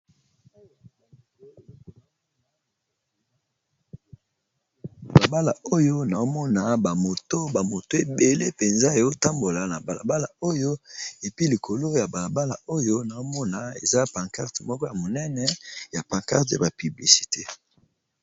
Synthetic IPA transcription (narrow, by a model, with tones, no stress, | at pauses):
a˨la˨ba˦la˨o˦jo˦na˨o˦mɔ˦na˨ba˨mo˨to˦ba˨mo˨to˦e˨be˨le˦pe˨nza˦e˨o˦ta˦mbo˨la˨na˨ba˨la̰˨ba˦la̰˨o˦jo˦e˨pi˦li˨kʰo˨lo˦ja˨ba˨la˨ba˦la̰˨o˦jo˦na˨o˦mɔ˦na˨ḛ˨za˦pa˨ŋka˦ʁte˨mɔ˦kɔ˦ja˨mo˨nɛ˦nɛ˦ja˨pa˨ŋka̰˦ʁta̰˨ba˨py˨bli˨si̥˨te˦